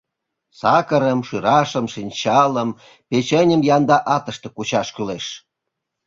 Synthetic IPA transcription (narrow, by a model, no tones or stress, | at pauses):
sɑkəɾəmʃyɾɑʃəmʃinʲt͡ɕɑləm | pet͡ɕenʲəmjɑnd̪ɑʔɑt̪əʃt̪ĕkut͡ɕɑʃkyleʃ